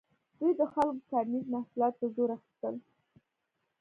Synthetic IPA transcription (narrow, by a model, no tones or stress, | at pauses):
d̪̥ujd̪əxalkot̪ɑɾnizmahsulɑt̪̚d̪əzoɾaxi̥st̪əl